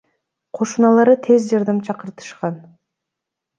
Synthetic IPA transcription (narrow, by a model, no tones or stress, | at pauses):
qʰo̞ʃunɑlˠɑɾɯt̪ʰe̞zd͡ʒɑɾd̪ɑmt͡ʃʰɑqɯɾt̪ʰɯ̥ʃqɑn